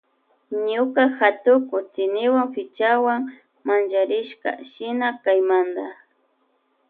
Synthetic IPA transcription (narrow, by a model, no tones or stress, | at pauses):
ɲʊkaxat̪ʊkʊt͡sɪnɪwaŋfɪt͡ʃawaŋ | mand͡ʒaɾɪʃka̰ʃɪnakajmand̪a